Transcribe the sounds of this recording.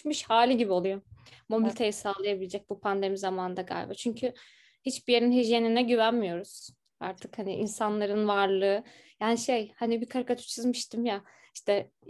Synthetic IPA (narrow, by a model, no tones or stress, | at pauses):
miʃhaːlʲiɟibio̞lˠujo̞mo̞bilʲit̪ʰe̞jisaːlˠɯjabilʲed͡ʒɛc̚bupʰand̪e̞mizamaːnɯnd̪aɡa̰jʲbɛ̰t͡ʃʰyɲcʰy | hit͡ʃbijeɾinɦyʒjeninɛɟyvænmijo̞ɾuz̥ | a̰ɾt̪ʰɯkhanḭʔinsanlˠaɾɯnvaɾlˠɯː | jaːniʃejhanibikʰaɾkʰat̪ʰu̥t͡ʃʰɯzmɯʃt̪ʰɯmja | iʃt̪ʰɛ